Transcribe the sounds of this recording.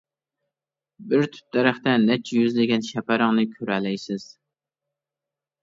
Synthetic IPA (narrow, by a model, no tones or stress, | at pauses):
bɪɾt̪ʰy̥p̚d̪̥ɛɾæχt̪ɛnɛt͡ʃʰːɛjyzlɪɡʲɛnʃɛpæɾɨŋnɨkʲʰøɾɛlɛjsɪz̥